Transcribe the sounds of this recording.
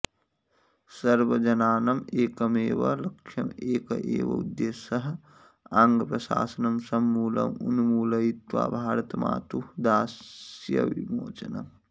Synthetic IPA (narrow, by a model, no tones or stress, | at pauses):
sɐɾʋɐd͡ʒɐnaːnɐmeːkɐmeːʋɐlɐkʃɐmeːkɐʔeːʋɐ̰ṵd̪jeːsɐɦ | aːŋɡɐpɾɐʃa̰ːsɐnɐmsɐmːuːlɐ̰munumuːlɐit̪ʋa̰ːbʱaːɾɐt̪ma̰ːt̪ud̪aːsjɐ̰ʋimo̰ːt͡ʃɐnɐ̰m